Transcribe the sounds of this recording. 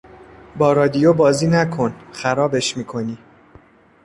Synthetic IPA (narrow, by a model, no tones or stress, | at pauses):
bɒːɾɒːd̪ijobɒːziːnækʰo̞nxæɾɒːbe̞ʃmiːkʰo̞niː